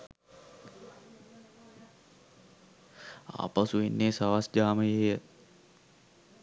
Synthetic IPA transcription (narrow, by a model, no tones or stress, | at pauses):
a̰ːpasuʋenːeːsaʋasd͡ʒaːməjejə